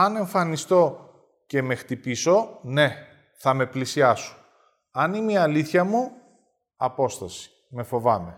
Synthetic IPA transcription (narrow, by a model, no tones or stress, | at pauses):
ɐne̞ɱfɐnist̪o̞ | ce̞me̞xt̪ipiso̞ne̞ | θɐme̞plisiɐso̥ | ɐnimiɐliθçɐmu | ɐpo̞st̪ɐsi̥ | me̞fo̞vɐme̞